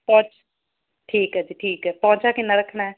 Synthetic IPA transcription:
pɔ̃ːt͡ʃ | ʈʰiːkɦɛːd͡ʒ̪iʈʰiːkɛːpɔ̃ːt͡ʃaːkɪnːaːɾəkʰːɳaːɛː

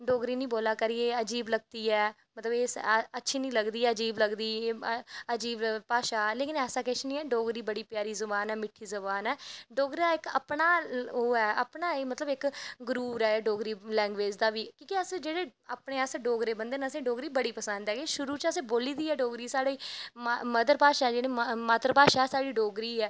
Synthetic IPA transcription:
ɖoːɡɾiːnĩːboːlaːkəɾiːeːəd͡ʒiːbləɡ̚t̪iːɛː | mət̪ləbeːsətːʃʰiːnĩːləɡd̪iːɛːəd͡ʒiːbləɡd̪iː | əd͡ʒiːbpaːʃaːleːkɪnɛːsaːkɛʃnĩːɛːɖoːɡɾiːbəɽiːpjaːɾiːzəbaːnɛːmɪʈʰːiːzəbaːnɛːɖoːɡɾaːɪkə̰pɳaːoːɛːʔəpɳaːeːmət̪ləbɪkɡɾuːɾɛːɖoːɡɾiːlɛ̃ːŋɡʋeːd͡ʒd̪aːʋiːkõːkiəsd͡ʒeːɽeːaːpɳeːəsɖoːɡɾeːbənd̪eːnəsẽːɖoːɡɾiːbəɽiːpəsə̃nd̪ɛːɡeːʃʊɾuːt͡ʃəsẽːboːliːd̪iːɛːɖoːɡɾiːsaːɽiːməd̪əɾpaːʃaːɛd͡ʒeɽ̃ẽːmmaːt̪əɾpaːʃaːɛːsaːɽiːɖoːɡɾiːɛː

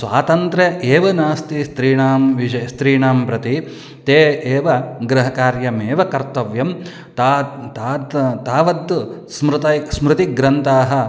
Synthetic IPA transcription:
sʋa̰ːt̪ɐnt̪ɾeʔeːʋɐnaːst̪ist̪ɾiːɳaːmʋid͡ʒɐjst̪ɾiːɳaːmpɾɐt̪i | t̪eːʔeːʋɐɡɾɐɦɐkaːɾjɐmeːʋɐkɐɾt̪ɐʋjɐm | at̪aːd̪t̪aːʋɐd̪smɾɨt̪ɐjsmɾɪt̪iɡɾɐnt̪aːɦɐ̆

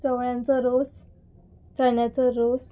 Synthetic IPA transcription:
t͡səʋɭjãnt͡sɔɾos | t͡səɳjat͡sɔɾos

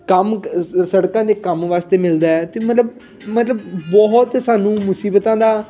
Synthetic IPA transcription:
kəmsəɽkãːd̪eːkəmʋaːst̪eːmɪld̪aːɛːt̪ẽmət̪ləb | mət̪ləbbɔɦt̪saːnũːmʊsiːbt̪ãːd̪aː

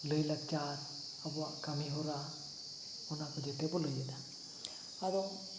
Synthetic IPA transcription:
lɯjlak̚t͡ʃaɾ | abɔakamiɦɔɾa | ɔnakɔd͡ʒɛtɛbɔləjɯnaː | ɾɔ

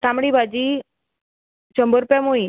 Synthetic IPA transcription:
tamɽibʱad͡ʑi | t͡ɕəmbəɾpɛmoi

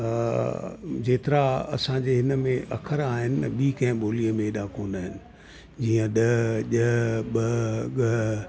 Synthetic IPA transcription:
ɐ | d͡ʑeːt̪ɪɾaɐ̰sãd͡ʑeɦɪnəmẽʔɐ̰kʰəɾaːɦɪnɪɓiːkɐ̃ɦɪ̃ɓoːlijəmẽɗakoːnd̪aːɦɪnɪ̆ | d͡ʑiːə̃ɗɐʄəɦɓɐɡɐ

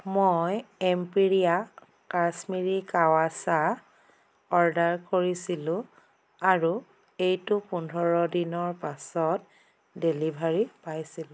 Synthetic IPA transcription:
mojempiɹia | kasmiɹikawasa | ɔɹdaɹkoɹisilʊ̃ | aɹu | ejtʊpundʱɔɹɔdinɔɹpasɔt | delibʱaɹipajsil̃

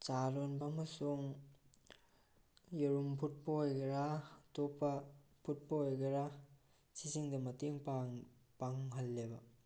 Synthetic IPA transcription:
t͡ʃaɾonbɐmɐsuŋ | jeɾumpʰut̚pɐɦojɡɐɾatopːɐpʰut̚pɐɦojɡɐɾa | sisiŋdɐmɐteŋpapaŋɦɐlːebɐ̰

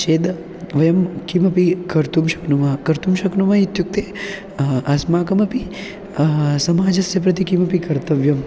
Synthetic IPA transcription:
ʃeːd̪ | ʋɐjɐmkimɐpikɐɾt̪umʃɐ̥knumakɐɾt̪umʃɐknumait̪juk̚t̪eː | ɐsmaːkɐmɐpi | sɐmaːd͡ʒɐsjɐpɾɐt̪ikimɐpikɐɾt̪ɐʋjɐm

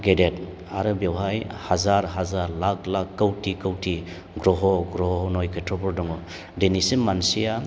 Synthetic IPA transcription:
ɡedet | aɾɯbewɦajhazaɾɦazaɾlakʰlakːawtikawti | ɡɾɔɦɔɡɾɔɦɔɦɔnɔjkʰejtʰɔbɔɾdɔŋɔ | denisimansija

